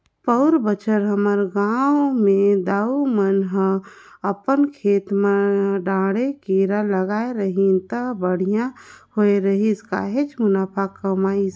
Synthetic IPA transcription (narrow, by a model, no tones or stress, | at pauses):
pəʊɾbət͡ʃʰəɾɦəməɾɡaːwmẽd̪aːumənɦəəpənkʰeːt̪məɖãːɽekiɾaləɡaːeɾəɦint̪əbəɽ̤ijãhoeɾəɦiska̰ɦet͡ʃmʊnaːpʰakːəmaːis